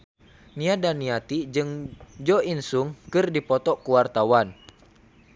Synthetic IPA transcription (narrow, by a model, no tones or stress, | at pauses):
niadaniat̪id͡ʒɨŋd͡ʒɔinsuŋkɨrdipɔt̪ɔkuwart̪awan